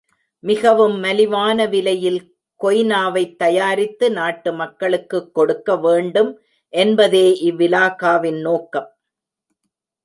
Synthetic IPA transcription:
mɪɣɐʋɯmːɐlɪʋaːnɐʋɪlɐjɪl | kɔjnaːʋɐɪt̪ːɐjaːɾɪt̪ːɯnaːʈːɯmɐkːɐɭɯkːɯkːɔɽɯkːɐʋeːɳɖɯm | ʔɛnbɐðeːʔɪʋːɪlaːkaːʋɪnnoːkːɐm

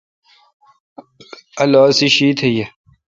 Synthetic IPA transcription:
ɐlɔːsiɕiːt̪ʰeje

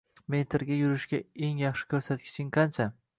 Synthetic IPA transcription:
ment̪ʰɪɾɡʲajʊɾɪʃkʲae̞ŋjɑχʃɪ̥kʲʰɵɾsat̪̚kʲʰɪ̥t͡ʃʰɪŋqʰɑnt͡ʃʰa

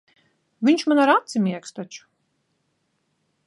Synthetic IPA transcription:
vʲiɲt͡ʃmanaɾat̪simʲiɛkst̪at͡ʃu̥

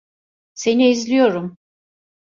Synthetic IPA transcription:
se̞niizlʲijo̞ɾum

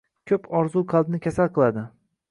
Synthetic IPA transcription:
kʲʰɵpʰɒɾzuqʰɑlˠd̪nɪkʲʰasalˠqɨlˠad̪ɪ

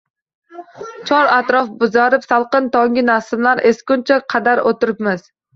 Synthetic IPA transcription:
t͡ʃʰɒɾat̪ɾɒfbʊzaɾɪpsalˠqɨnt̪ɒŋɡʲɪnasɪmlaɾeskʲʊnt͡ʃʰaqʰɑd̪aɾot̪ɪɾɪpmaz̥

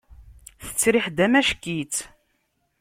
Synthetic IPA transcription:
θə̥t͡sːɾiħd̪æmæʃkːit͡s

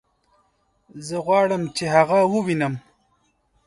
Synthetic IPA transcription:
zəɣwɑːɽəmt͡ʃeɦaɣawəwinəm

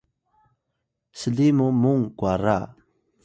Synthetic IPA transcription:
səlimumuŋkwaɾa

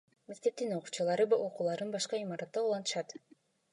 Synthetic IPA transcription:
me̞k̚t̪e̞p̚t̪ino̞qu̥ːt͡ʃɑlˠɑɾɯo̞quːlˠɑɾɯnbɑʃqɑimɑɾɑt̪ːɑulˠɑnt̪ɯ̥ʃɑt̪

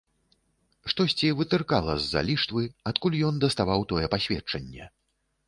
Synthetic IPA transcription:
ʂt̪ɔsʲt͡sʲivɨt̪ɨrkalˠɐzːa̰lʲiʂt̪vɨat̪kulʲjɔnd̪ɐst̪avawt̪ɔjɛpasʲvʲɛt͡ʂɐnʲːɛ

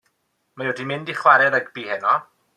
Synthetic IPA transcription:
majɔdimɪndiχwaɾɛðaɡb̥iːhɛnɔ

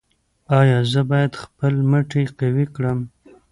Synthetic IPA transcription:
ɑjɑzəbɑjad̪xpəlməʈekawikɽəm

